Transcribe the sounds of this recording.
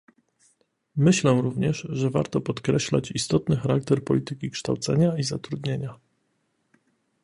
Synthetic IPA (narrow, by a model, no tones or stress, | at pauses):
mɘɕlɛɾuvɲɛʐʐɛva̰ɾt̪ɔpɔt̪kɾɛɕla̰t͡ɕist̪ɔt̪nɘxaɾak̚t̪ɛɾpɔ̰lʲit̪ɘkʲikʂt̪awt̪sɛ̰ɲaizat̪ɾud̪ɲeɲa